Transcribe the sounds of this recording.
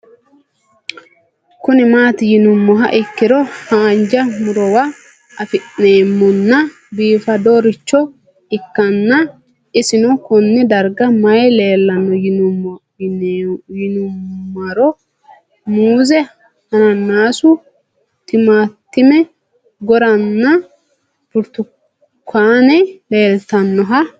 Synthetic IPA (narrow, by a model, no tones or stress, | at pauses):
kʊnɪmaːt̪ɪjɪnʊmːɔɦɐ̰ʔɪkːɪɾɔhaːnd͡ʒɐmʊɾɔwa | ɐfɪʔnːeːmːɔnːɐ | biːfɐd̪oɾɪt͡ʃːɔ | ɪkːɐnːɐ | ɪsɪnʊkʊnːɪd̪ɐɾɡɐmɐjle̞ːlːɐnɔ | jɪnʊmːɐɾɔ | muːzɛ | hɐnɐnːaːsʊ | t̪ɪmaːt̪ːɪmɛ | ɡɔɾɐnːɐ | bʊɾt̪ʊ | kːaːnɛle̞ːlt̪ɐnːɔɦɐ